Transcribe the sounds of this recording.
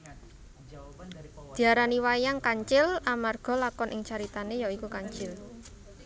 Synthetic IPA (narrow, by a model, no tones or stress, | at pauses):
d̪̥i̤aɾaniwajaŋkaɲt͡ʃɪlamarɡ̥ɔ̤lakɔnʔɪŋt͡ʃaɾit̪anejɔikukaɲt͡ʃɪl